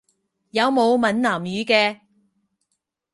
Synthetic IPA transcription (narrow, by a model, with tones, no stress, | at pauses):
jɐ˨˧wmo˨˧wmɐ˨˥nnaː˨˩mjyː˨˧kɛː˧